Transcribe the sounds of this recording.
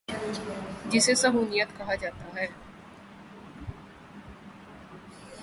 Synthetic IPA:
d͡ʒɪsesɐɦuːnijət̪kɐɦad͡ʒaːt̪aɦɛː

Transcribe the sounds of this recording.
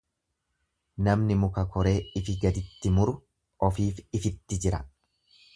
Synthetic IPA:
nɐmnɪmʊkɐkɔɾe̞ːɪfɪɡɐd̪ɪt̪ːɪmʊɾʊ | ʔɔfiːfɪfɪt̪ːɪd͡ʒɪɾɐ̰

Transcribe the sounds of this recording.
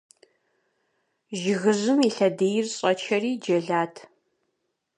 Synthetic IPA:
ʒɪɣɨzɨmiɬɐdejɪrɕʼɐt͡ʃʰɐriːd͡ʒɐɮaːtʰ

